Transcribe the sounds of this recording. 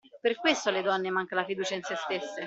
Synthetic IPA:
perkwest̪oled̪ɔnːemaŋkalafid̪uːt͡ʃainsest̪esːe

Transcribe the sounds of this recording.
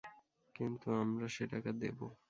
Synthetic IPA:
kint̪uamɾaʃeʈakad̪ḛbo

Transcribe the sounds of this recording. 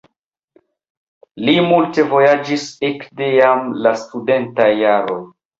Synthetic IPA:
limulte̞vo̞jad͡ʒisekdejamlastude̞ntajːaɾo̞j

